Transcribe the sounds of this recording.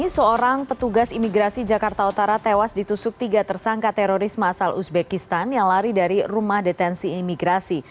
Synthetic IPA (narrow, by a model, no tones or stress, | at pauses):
isəoɾaŋpət̪uɡasimiɡɾasid͡ʒakart̪aut̪aɾat̪ewasdit̪usʊk̚t̪iɡat̪ərsaŋkat̪ɛɾoɾismasalusbɛkist̪anjaŋlaɾidaɾirumahdet̪ɛnsiːmiɡɾasi